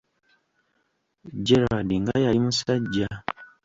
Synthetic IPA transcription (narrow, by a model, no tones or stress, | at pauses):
ɟeɾadiŋɡajaimusaɟːa